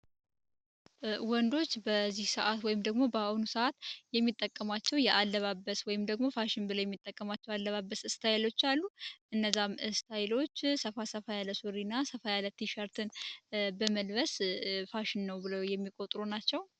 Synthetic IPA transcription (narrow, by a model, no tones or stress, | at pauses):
wɔnd̪o̞t͡ʃːbəzːihsəʔat̪wɔjɪmd̪əɡmo̞bəawunusəʔat̪jɛmːit̪ʼːəkʼːəmat͡ʃːɛwjɛʔalːəβabəswɔjɪmd̪əɡmo̞faʃɪnbɨləwjɛmːit̪ʼːəkʼːəmat͡ʃːɛwalːəβabːəsɨst̪ʰajlo̞t͡ʃːalːuʔɨnːəzːamɨst̪ʰajlo̞t͡ʃːsəfasəfajaləsuɾinːasəfajalət̪ʰiʃaɾt̪ʰɨnbəməlβəsfaʃɪnːəwbɨləwjɛmːikʼot̪ʼɾunat͡ʃːɛw